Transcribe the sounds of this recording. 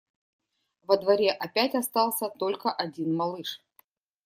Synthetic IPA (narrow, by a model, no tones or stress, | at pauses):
vəd̪vɐɾʲeʔɐpʲætʲɐst̪ɑlˠsʲət̪o̞lʲkəʔɐdʲinmɐlˠɨʂ